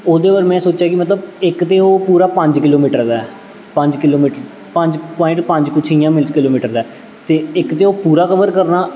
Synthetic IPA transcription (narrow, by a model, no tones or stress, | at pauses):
oːd̪eːʋəɾmɛ̃ːsoːt͡ʃjaːkɪmət̪ləbɪkt̪eːoːpuːɾaːpə̃ɲd͡ʒkɪloːmiːʈəɾd̪aɛ | pəɲd͡ʒkɪloːmiːʈəɾ | pə̃ɲd͡ʒpɔ̃ːɪ̃ɳʈpə̃ɲd͡ʒkʊt͡ʃʰiːjãːmɪlkɪloːmiːʈəɾd̪aː | t̪eːɪkt̪eːoːpuːɾaːkəʋəɾkəɾnaː